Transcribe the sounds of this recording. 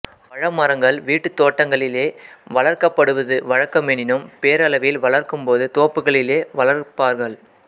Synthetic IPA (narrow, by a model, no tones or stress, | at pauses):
ʋɐɻɐmɐɾɐŋɡɐɭʋiːʈːɯt̪oːʈːɐŋɡɐɭɪleːʋɐɭɐɾkɐpːɐɽɯʋɐðɯʋɐɻɐkːɐmɛnɪnɯmpeːɾɐlɐʋɪlʋɐɭɐɾkɯmpoːðɯt̪oːpːɯɣɐɭɪleːʋɐɭɐɾpaːɾɣɐɭ